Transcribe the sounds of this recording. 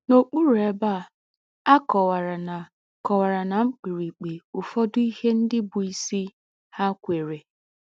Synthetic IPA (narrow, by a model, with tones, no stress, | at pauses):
no˨k͡pu˦ɾe˨ba˦˨ | a˦kɔ˨wa˨ɾa˨na˨ | kɔ˨wa˨ɾa˨na˨ŋ͡m̩˦k͡pi˨ɾi˨k͡pe˨ʊ˨fɔ˦dʊ˦i˦he˦n̩˦dɪ˦bʊ˨i˦si˦ | ha˦kʷe˨ɾe˨